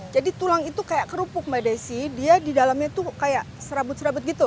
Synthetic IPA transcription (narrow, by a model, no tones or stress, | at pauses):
d͡ʒadit̪ulaŋit̪ukajaʔkəɾupʊk̚madajsɪhdiadidalamɲat̪ukajaʔsəɾabʊt̪̚səɾabʊt̪̚ɡit̪u